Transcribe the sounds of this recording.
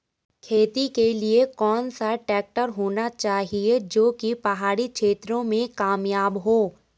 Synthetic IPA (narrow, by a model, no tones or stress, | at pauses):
kʰeːt̪ikeliekɔːnsaʈɛːk̚ʈəɾɦoːnat͡ʃaːɦied͡ʒoːkipɐɦaːɾikʃʰeːt̪ɾõmẽkaːmjaːbɦoː